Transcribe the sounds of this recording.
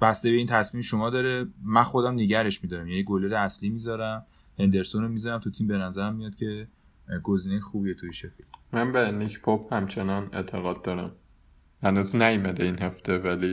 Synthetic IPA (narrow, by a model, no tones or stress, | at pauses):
b̥æst̪ee̞int̪ʰæsmimʃo̞mɒːd̪ɒːɾemænxod̪æmneɟæɾe̞ʃmid̪ɒːɾæmjæjiɡoleɾeæsliːmizɒːɾæm | he̞nd̪e̞ɾsonomizɒɾæmt̪ʰut̪ʰimbe̞næzæɾæmːijɒd̪̥cʰe̞ | ɡoziːnejexuːbijet̪ʰujiʃekʰemænbenicʰpʰophæmt͡ʃʰenɒnḛt̪ʰeɣɒːd̪̚ːɒɾæm | hænuznæjmæd̪einɦeft̪evæli